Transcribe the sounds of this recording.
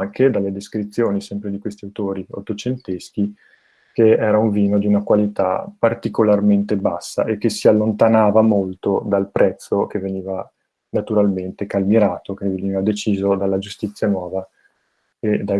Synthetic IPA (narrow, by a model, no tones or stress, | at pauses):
ŋkʰed̪alːed̪eskɾit̪sːjoːnisɛmpɾed̪ikwest̪iawt̪oːɾio̰t̪ːot͡ʃent̪eski | keɛːɾauɱviːnod̪iunakwalit̪a̰part̪ikolarment̪ebasːa̰ʔekːesialːont̪anaːvamolt̪od̪alpɾʔɛt̪sːokeveniːva | nat̪uɾalment̪ekalmiɾaːt̪okeveniːvad̪et͡ʃiːzod̪alːad͡ʒust̪it̪sːjanwɔːva | ed̪a